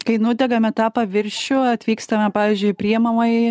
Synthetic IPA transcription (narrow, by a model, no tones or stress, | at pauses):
kɐɪnʊd̪ʲɛɡɐmʲɛt̪ɑːpɐʋʲɪɾʲʃʲʊɐt̪ʲʋʲiːkst̪ɐmʲɛpɑːʋʲiːzʲd͡ʒʲʊɪpʲɾʲiɛmɐmɐɪ